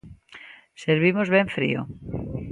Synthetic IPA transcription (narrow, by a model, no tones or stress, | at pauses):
seɾβimozβẽɱfɾḭo̰